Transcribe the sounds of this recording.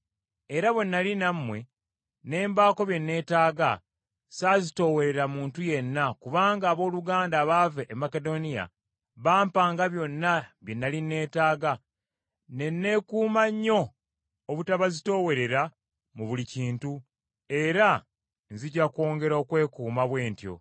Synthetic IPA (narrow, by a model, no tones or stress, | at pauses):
eɾaβwe̞nːalinamːwe̞ | ne̞ːmbaːko̞βje̞nːe̞ːtaːɡa | saːzito̞ːwe̞ɾe̞ɾamuːntuje̞nːakuβaːŋɡaːβo̞ːluɡaːndaːβaveʔːmːake̞do̞nija̰ | βaːmpaːŋɡaβjo̞nːaβjenːalinːe̞ːtaːɡa | ne̞nːe̞kuːmaɲːo̞ː | βutaβazito̞ːwe̞ɾe̞ɾa | muβuliciːntu | e̞ɾa | nziɟako̞ːŋɡe̞ɾokwe̞ːkuːmaβwe̞ːntjo̞̰